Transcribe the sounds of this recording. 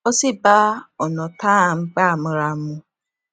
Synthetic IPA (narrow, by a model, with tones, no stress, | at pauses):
o˦si˦ba˦ɔ˨nɔ˨ta˦˨ŋ͡m̩˦ɡ͡ba˦a˨mʊ˦ɾa˦mʊ˦